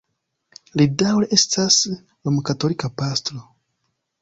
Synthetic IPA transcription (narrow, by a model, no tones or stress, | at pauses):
lidawleʔe̞stʰas | lomukato̞likapastɾo